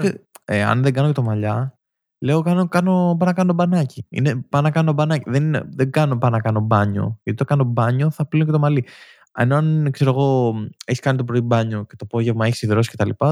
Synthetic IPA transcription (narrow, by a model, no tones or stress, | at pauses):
eɐ̰nðeŋɡɐnoce̞t̪omɐʎɐ | le̞okɐnokɐno̞pɐnɐkɐnot̪obɐnɐciḭnepɐnɐkɐnoobɐnɐciðennḛðeɡɐno̞pɐnɐkɐno̞bɐɲo̞̰ʝɐt̪it̪okɐno̞bɐɲo̞θɐplinoc̬et̪o̞mɐli | ḛno̞ɐnkse̞ɾoɣo̞eçi̥skɐnit̪op̬ɾo̞ibɐɲo̞ce̞t̪opo̞ʝe̞vmɐeçi̥siðɾo̞si̥ce̞t̪ɐlḭpɐ